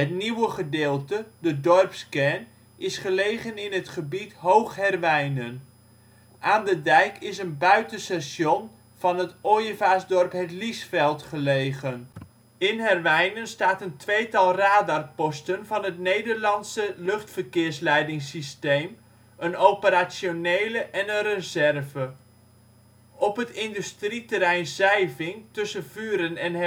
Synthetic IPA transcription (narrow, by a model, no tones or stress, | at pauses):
ɦətniwəχədeːlˠtədədɔrpskɛn | ɪsχəlejχənɪnɦətχəbitɦowχhɛrʋɛjnən | ʔaːndədɛjkʰɪsənbœɥtənsɛsjon | v̥ɑnɦətojəvaːsdɔrpɦɛtlisfɛlˠtχəlejɣən | ɪnɦɛrʋɛjnənstaːtəntʋejtɑlˠraːdarpɔstənvɑnɦətnejdərlɑnsəlɵχtfərkɪːrslɛjdɪŋsistejm | ənowpəɾaːsjonejləʔɛnənrəzɛrvə | ɔpɦətɪndystritəɾɛjnzɛjvɪŋtɵsəvyːɾənɛn